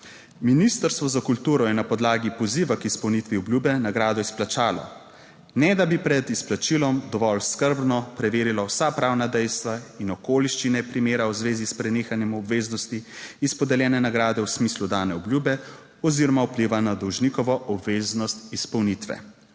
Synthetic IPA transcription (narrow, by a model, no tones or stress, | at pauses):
minist̪əɾst̪ʋɔzakult̪uːɾɔjɛnapɔd̪laːɡipɔziːʋakispɔwnit̪ʋiɔblʲjuːbɛnaɡɾaːd̪ɔisplat͡ʃaːlɔ̰ | nɛd̪abipɾɛd̪isplat͡ʃilɔmd̪ɔʋɔlskəɾbnɔpɾɛʋeːɾilawsapɾaːwnad̪ɛjst̪ʋainɔkoːliʃt͡ʃinɛpɾimeːɾawzʋeːzispɾɛneːxanjɛmɔbʋeːznɔst̪iispɔd̪ɛljɛːnɛnaɡɾaːd̪ɛwsmiːslud̪aːnɛɔbljuːbɛ | ɔziɾɔmaupliʋanad̪ɔwʒnikɔʋɔʔɔbʋeːznɔst̪ispɔwnit̪ʋɛ̰